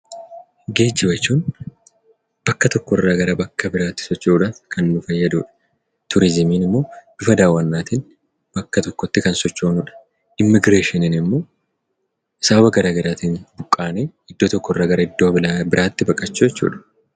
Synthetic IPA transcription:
ɡeːd͡ʒːɪbɐt͡ʃːuːn | b̥ɐkːɐt̪ɔkːɔɪrːaːɡɐɾɐbɐkːɐbɪɾaːt̪ːɪ̥sɔt͡ʃːuːᶑɐkʰɐnːʊfɐjːɐd̪ṵːᶑɐ̥ | t̪ʰʊɾɪzɪmiːnɪmːo̞ːd̪̥ʊfɐd̪aːwːɐnːaːt̪ɪn | b̥ɐkːɐt̪ɔkːɔt̪ːɪkɐnsɔt͡ʃːo̞ːnuᶑɐ̥ | ʔɪmːɪɡɾe̞ːʃɪnɪnɪmːo̞ː | ɪsɐbɐbɐɡɐɾaːɡɐɾaːt̪iːnbʊkʼːaːneː | ɪd̪ːoːt̪ɔkːɔɪrːaːɡɐɾɐɪd̪ːoːbɪɾʔaːt̪ːɪbɐkʼːɐt͡ʃːud͡ʒɛt͡ʃːṵːᶑɐ̥

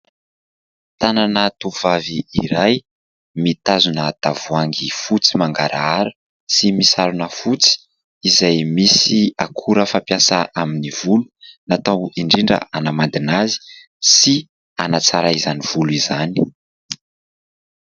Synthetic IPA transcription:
t̪ananat̪uvaviːɾaj | mit̪azunət̪avuaŋɡifut͡simaŋɡaɾaaɾə | simisaɾunəfut͡si̥ː | zajmisiakʰuɾəfampjasaʔaminiv̥ulunat̪awiɳɖ͡ʐiɳɖ͡ʐə̰ʔanamand̪inazi̥ | si | anat͡saɾaizaniv̥uluizani̥

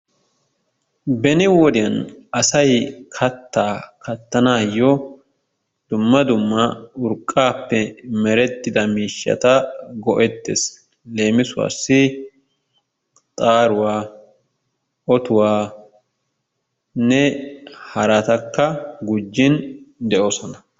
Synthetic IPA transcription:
bɛnɪwɔd̪ɪjɐnɐsɐjkʰɐt̪ːaːkʰɐt̪ːɐnaːjːɔ | d̪̥ʊmːɐd̪ʊmːɐʊɾkʼːaːpːɛmɛɾɛt̪ːɪd̪ɐmiːʃːɐ̰t̪ɐɡɔʔɛt̪ːḛs | le̞ːmɪsʊwa̰ːsːɪ | t̪ʼaːɾʊwaː | ʔɔt̪ʊwaː | nɛhɐɾɐt̪ɐkːɐɡʊd͡ʒːɪnd̪ɛʔosɔnɐ

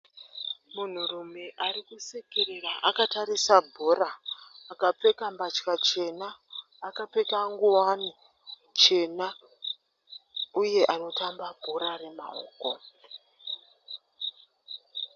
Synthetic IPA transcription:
mun̤urume̞ʔarikusekeɾeraʔakataɾisabʱoɾaːkap͡fe̞kambat͡ʃkat͡ʃe̞naː | kape̞kaŋɡuwani | t͡ʃe̞na | uje̞ʔano̞tambabʱoɾare̞ma̰o̰ːko̞

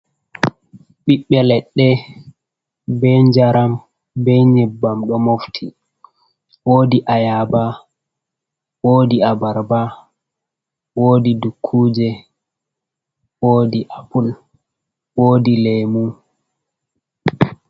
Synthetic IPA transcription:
ɓiɓːɛlɛɗːɛ | bɛɲd͡ʒaɾam | bɛɲɛbːamɗɔmoftʰi | woːdiʔajaba | woːdiabaɾba | woːdidukʰːuːd͡ʒɛ | woːdiʔapul | woːdileːmu

